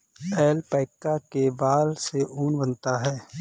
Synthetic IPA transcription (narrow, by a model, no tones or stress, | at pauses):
ɛːlpəːɪkːakebaːlseʔuːnbənt̪aɦɛː